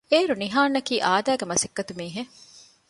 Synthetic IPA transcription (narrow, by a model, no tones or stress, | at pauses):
eːɾuniɦaːnːɐkiːʔaːd̪æːɡemɐsekːɐt̪umiːɦe